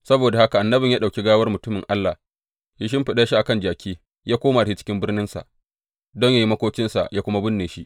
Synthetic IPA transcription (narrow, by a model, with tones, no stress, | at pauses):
sɐ˦boː˨da˨ha˦ka˨ʔa˨nːɐ˦bɪ˨ɲja˦ɗa˨kʲi˦ɡaː˦wɐ˦rmʊ˨tʊ˦mɪ˨ŋʔa˦lːa˨h | ji˦ʃ̬ɪ˦mɸɪ˨ɗa˦ʃi˦ʔa˨kɐ˦˨nd͡ʒaː˨kʲʰiː˦ | jaː˦kʷoː˦maː˨da˨i˦t͡ʃɪ̥˦kʲɪ˦mbɪ˦rnɪ˦nsa̰˨ʔ | dɔ˦ɲja˦ji˦mɐ˦kʷoː˦kʲɪ˦nsa̰˨jaː˦kʷʊ˦ma˦bʊ˦nːeː˨ʃi˦ʔ